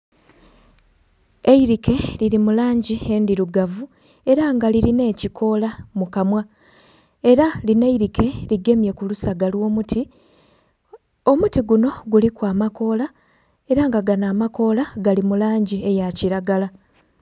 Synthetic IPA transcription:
e̞iɾike̞liɾimulaːɲɟie̞ndiɾuɡavu | e̞ɾaːŋɡaliɾine̞ːcikʰo̞lamukamwa | e̞ɾaline̞iɾikʰe̞liɡe̞mje̞kulusaɡalwo̞ːmuti | o̞mutiɡuno̞ɡulikwaːmako̞ːla | e̞ɾaŋɡaɡanaːmako̞ːlaɡalimulaːɲɟie̞jaciɾaɡala

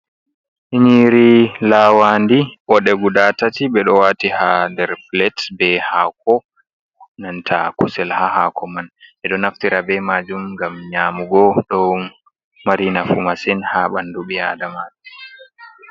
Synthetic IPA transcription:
ʔiɲiɾilawandiʔɔɗɛɡudatatibɛɗɔwatihandɛɾflɛtbɛhakɔ | nantʰa̰kusɛlhahaːkɔmanɛɗɔnaftiɾabɛmad͡ʒumŋɡamɲaːmuɡɔɗɔ | maɾinafumasɛnhaɓanduɓia̰damad͡ʒɛ

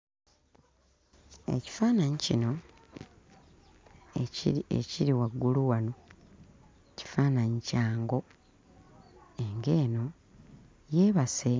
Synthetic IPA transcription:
ḛci̥faːnaɲicino̞ | ḛciɾiwaɡːuluwano̞ | ci̥faːnaɲicaːŋɡo̞ | e̞ŋɡe̞ːno̞ | je̞ːβase̞

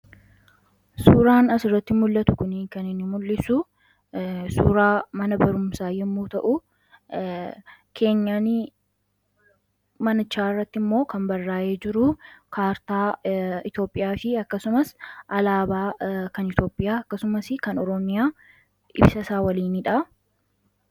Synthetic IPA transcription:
suːɾaːnɐsɪrːɐt̪ːɪmʊlːɐt̪ʊkʊnikɐnɪnːɪmʊlːɪsʊ | suːɾaːmɐnɐbɐɾʊmsaːjɛmːuːt̪ɐʔʊ | kʰe̞ːɲːaːn | mɐnɐt͡ʃːaːɪrːɐt̪ːɪmːo̞ːkɐmbɐrːaːjeːd͡ʒɪɾʊkʰaːɾt̪aːɪt̪jo̞ːpʼːɪjaːfɪɐkːɐsʊmɐsʔɐlaːbaːkɐnɪt̪jo̞ːpʼːɪjaːɐkːɐsʊmɐsɪkɐnɔɾɔmɪjaː | ɪ̰bsɐsaːwɐliːniᶑa

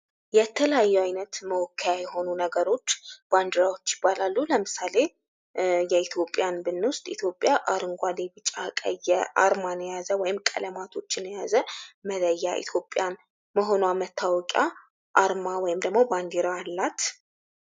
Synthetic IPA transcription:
jɛt̪ʰələjajːuajnət̪məwɔkʰːəjajɛho̞nunəɡəɾo̞t͡ʃːb̥and̪ɨɾawot͡ʃːjɪbːalalːuləmɨsale̞ | jɛit̪ʰjo̞pʼjanbɨnːwʊst̪ʼit̪ʰjo̞pʼːjaʔaɾɨŋɡʷalebɨt͡ʃʼːakʼə̰jɛʔa̰ɾmanəjazəwɔjɪmkʼə̰ləmat̪ʰo̞t͡ʃːɪnəjazəmələjːaʔḭt̪ʰjo̞pʼjan | məɦo̞nwamət̪ʰːawɔkʼa | ʔaɾmawɔjɪmd̪əɡmo̞band̪iɾaːlːat̪

